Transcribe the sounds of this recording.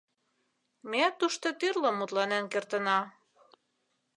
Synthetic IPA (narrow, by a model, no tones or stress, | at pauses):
meæt̪ːuʃt̪ot̪yrləmːut̪lɑnenkert̪ə̆nɑ